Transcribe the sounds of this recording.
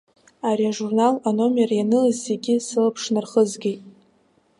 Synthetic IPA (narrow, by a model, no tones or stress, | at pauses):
aɾiaʐurnalano̞mjarajanɨlɨzːeɡʲɪsɨlapʰʂnɨrχəzɡʲejtʼ